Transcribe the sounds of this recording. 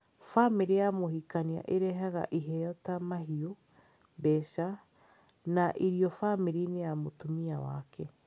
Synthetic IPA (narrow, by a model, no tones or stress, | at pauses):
famiɾijamohikania̰ʔeɾɛɦɛɣa̰ʔiɦɛjɔtamaɦio | bɛʃa | naʔiɾiɔfamiɾinejamotomiawa̰kʰɛ